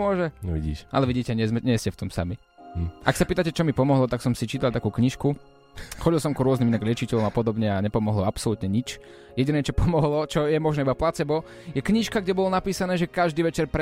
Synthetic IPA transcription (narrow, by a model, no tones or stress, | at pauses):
ʊɔʒɛʋḭɟḭːʃʔa̰lɛʋiɟiːcɛɲɪɛzmɛɲɛscɛft̪ɔmsa̰mi | ʔa̰ksapiːt̪acɛt͡ʃɔmipɔmɔɦlɔt̪aksɔmsit͡ʃiːt̪alt̪akuːkɲiʃku | xɔɟilˠsɔmkɾʊɔzniminaɡlɪɛt͡ʃicɛlɔmapɔd̪ɔbɲɛaɲɛpɔmɔɦlɔapsɔlut̪ɲɛɲit͡ʃ | jɛɟinɛːt͡ʃɔpɔmɔɦlɔt͡ʃɔjɛmɔʒnɛːibaplat͡sɛbɔ | jɛkɲiʃkaɡɟɛbɔlɔnapiːsanɛːʒɛkaʒd̪iːʋɛt͡ʃɛɾpɾ